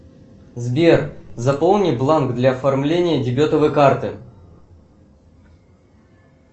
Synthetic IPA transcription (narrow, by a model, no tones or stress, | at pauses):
zbʲerzɐpo̞lˠnʲiblˠanɡd̪lʲɐɐfɐrmlʲenʲɪjədʲɪbʲot̪əvəjkart̪ɨ